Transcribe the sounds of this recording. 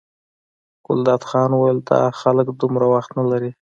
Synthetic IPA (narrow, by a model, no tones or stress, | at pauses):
ɡ̥ʊld̪ɑd̪xɑnwajld̪ɑ̰xaləkd̪ʊmɾawaxt̪nalaɾi